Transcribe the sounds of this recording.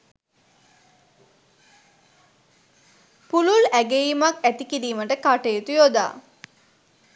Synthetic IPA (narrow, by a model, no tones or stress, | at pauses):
pululæɡejimakæt̪ikiɾiːməʈəkaʈejet̪ujod̪a̰ː